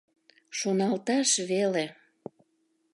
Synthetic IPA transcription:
ʃonɑlt̪ɑʃβele

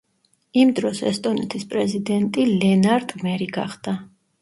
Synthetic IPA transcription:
imd̪ɾɔsɛ̰st̪ʼɔnɛt̪ʰispʼɾɛzid̪ɛnt̪ʼilɛnaɾd̪ʼmɛɾiɡa̰χd̪a

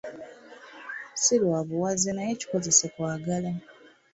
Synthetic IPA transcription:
silwaːβuwazenajeci̥ko̞ze̞se̞kwaːɡala

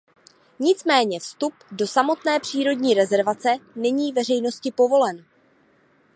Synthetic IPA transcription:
ɲɪt͡smɛːɲɛfst̪updo̞samo̞t̪nɛːpr̝̥iːɾo̞dɲiːɾɛzɛɾvat͡sɛnɛɲiːvɛr̝ɛjno̞scɪpo̞vo̞lɛn

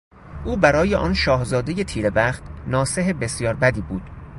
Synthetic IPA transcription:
ʔuːbæɾɒːjeʔɒːnʃɒːhzɒːd̪e̞jet̪ʰiːɾebæχt̪nɒːse̞ɦebe̞sjɒːɾbæd̪iːbuːd̪̥

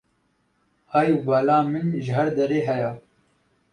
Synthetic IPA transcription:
haːjuvɑːlaːmɨnʒɪɦɐɾd̪ɐɾeːɦɛjaː

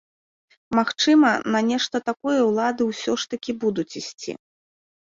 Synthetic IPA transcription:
maxt͡ʂɨmɐnɐnʲɛʂt̪ɐt̪akɔjɐwlˠad̪ɨwsʲɔʂt̪ɐkʲibud̪ut͡sʲisʲt͡sʲḭ

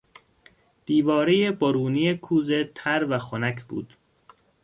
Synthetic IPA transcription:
d̪̥iːvɒːɾejeboɾuːnijekʰuːzet̪ʰæɾvæxonækʰb̥ṵːd̪̥

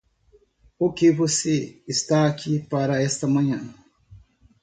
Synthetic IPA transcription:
ukeβusiːst̪aːkʰipaɾɐɛst̪ɐmɐ̃ɲɐ̃

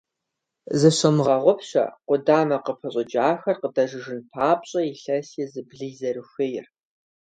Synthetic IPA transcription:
zɨɕɐmʁɐʁʷʊpʰɕɐ̰qʷʊdaːmɐqəpʰɐɕʼd͡ʒaːxɐrqədɐʒɨʒɨnpʰaːpɕʼɐiɬɐsɛzɨbɮiːzɐrɨxʷɪjɪr

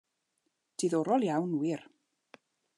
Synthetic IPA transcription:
d̥iðɔɾɔlˠjawnwɪɾ

